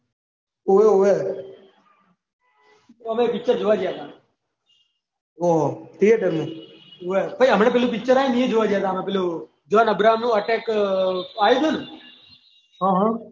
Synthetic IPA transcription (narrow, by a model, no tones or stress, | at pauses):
oʋeoe | t̪oəmepɪk̚t͡ʃəɾd͡ʒoʋad͡ʒjat̪aː | ot̪ʰieʈəme | oʋepəiəmɳẽpeːlup̬ɪk̚t͡ʃəɾaːjeniẽd͡ʒoʋad͡ʒjat̪aːmepelu | d͡ʒoʋanəbɾaːɦəmnũːəʈɛk | aːjud̪ənũ | ɦãɦã